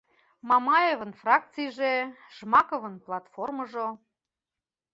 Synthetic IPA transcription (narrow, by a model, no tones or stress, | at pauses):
mɑmɑjevə̆nfrɑk̚t͡sijʒeʒmɑkovə̆nplˠɑt̪forməʒo